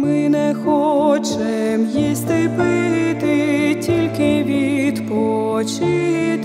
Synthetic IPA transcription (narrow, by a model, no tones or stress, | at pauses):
mɪnɛxɔt͡ʃ | ɛmjisʲt̪ɪpɪt̪ɪtʲilʲkɪʋʲid̪pɔt͡ʃit̪